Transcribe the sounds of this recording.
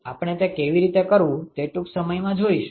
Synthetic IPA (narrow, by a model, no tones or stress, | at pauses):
apəɳ̃et̪ekeʋiɾit̪ekəɾʋũt̪eʈũksəməjmãd͡ʒoiʃ